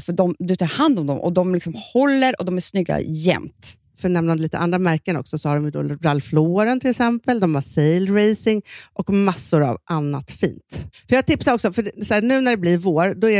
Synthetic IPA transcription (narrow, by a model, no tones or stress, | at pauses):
fœɖɔmd̪ɵt̪ʰɑːɾhand̪ɔmd̪ɔ̰mʔɔ̰d̪ɔmlɪksɔmhɔlːəɾɔd̪ɔmæʂnʏɡːa̰jɛ̰mt̪ | fœɳɛmnand̪liːt̪ə̰ʔand̪ɾamæɾkənɔ̰ksɔsɔhaɖɔmjɵd̪ɔ̰ɾalfloːɾənt̪ʰɪlɛksɛmpəld̪ɔmasejlɾejsɪŋʔɔkmasːʊɾa̰vʔanːa̰t̪fḭːnt̪fœɾjɑːɡ̚t̪ʰɪpsaɾɔksɔfœɖɛsæːnʉ̟ːnæɖɛblɪɾvoːɾd̪ɔæ